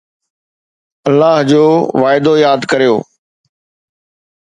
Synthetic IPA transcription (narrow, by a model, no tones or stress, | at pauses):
ɐlːaːɦd͡ʑoːʋaːɪd̪ojaːd̪kɐɾijo̰ː